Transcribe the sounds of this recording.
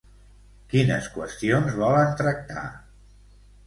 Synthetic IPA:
kinə̰skwəst̪ionzβɔlənt̪ɾək̚t̪a̰

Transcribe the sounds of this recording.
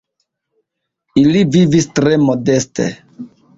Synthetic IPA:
ilivivistɾemodestʰḛ

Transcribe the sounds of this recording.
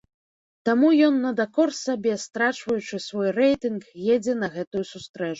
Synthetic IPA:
t̪amujɔnːɐd̪akɔrsabʲɛst̪ɾat͡ʂvɐjut͡ʂɨsvɔjrɛjt̪ɨnkjɛd͡zʲɛnɐɣɛt̪ujusust̪ɾɛt͡ʂu

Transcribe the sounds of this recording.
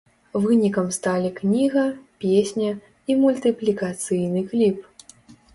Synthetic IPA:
vɨnʲikɐmst̪alʲiknʲiɣɐpʲesʲnʲɐ | imulʲt̪ɨplʲikat̪sɨjnɨklʲip

